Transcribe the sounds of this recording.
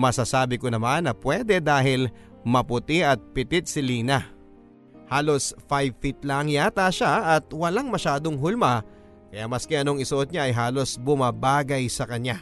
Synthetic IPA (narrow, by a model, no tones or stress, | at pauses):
mɐsasaːbɪkonɐmanːɐpwɛd̪ɛd̪aːɦɪl | mɐpʊt̪ɪʔɐt̪̚pɪt̪ɪt̪̚sɪliːna | haːlo̞sfajvfit̪lɐŋjat̪aʃaʔɐt̪̚wɐlaŋmɐʃaːd̪o̞ŋɦʊlma | kɐjaːmɐskɪʔɐnoŋɪsoʔot̪̚ɲaʔɐjɦaːlo̞sbʊmabaːɡɐjsɐkɐɲa